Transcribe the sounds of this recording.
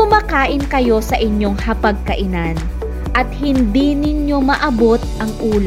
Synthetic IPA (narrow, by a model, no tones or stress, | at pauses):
ʊmaːkaːʔɪnkɐjo̞sɐʔɪɲjo̞ŋhɐpɐɡ̚kɐʔɪnan | ʔɐt̪̚hɪnd̪inɪɲjo̞mɐʔɐbo̞t̪̚ʔɐŋʔuːl